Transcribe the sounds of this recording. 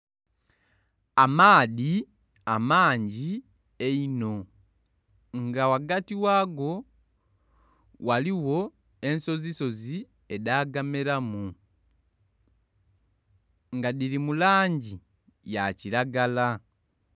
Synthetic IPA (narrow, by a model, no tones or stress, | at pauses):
amaːði | amaːɲɟi | eino̞ | ŋɡawaɡatiwaːɡo̞ | waliwo̞ | e̞nso̞ziso̞zi | e̞daːɡameɾamu | ŋɡadiɾimulaːɲɟi | jaciɾaɡala